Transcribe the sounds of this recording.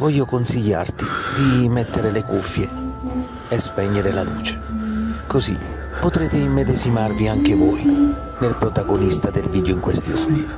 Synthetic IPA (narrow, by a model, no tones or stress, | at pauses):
vɔʎːokonsiʎːa̰rt̪id̪imɛt̪ːeɾelekufːjeː | spɛɲːeɾelalṵːt͡ʃe̥kozḭ | pːot̪ɾeːt̪emːed̪ezimarviaŋk̟evɔj | nelpɾot̪aɡonist̪ad̪elviːd̪joiŋkwest̪izm